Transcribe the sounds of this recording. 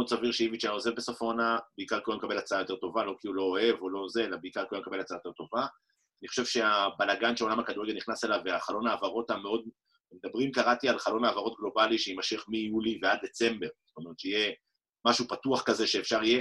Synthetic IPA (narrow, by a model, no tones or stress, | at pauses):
odsaviʁʃeiviʃaaozebesofonabeikaʁkoomekabe̞lat͡saajo̞te̞t̪o̞valo̞kilulo̞ːe̞volo̞zelabeikaʁkomekabe̞lat͡saajt̪e̞ʁt̪o̞va | aniχoʃe̞vʃe̞abalaɡanʃeolamakad̪uʁeɡelniχnaselaveaχalo̞naːvaʁo̞t̪ameo̞d̪̚ | med̪abʁimkaʁat̪ialχalo̞naːvaʁo̞t̪̚ɡlo̞baliʃeimaʃiχmijulivead̚d̪e̞t͡se̞mbe̞ʁsttomeʁet̪ʃeije | maʃupatuaχkaze̞ʃe̞ːfʃaʁije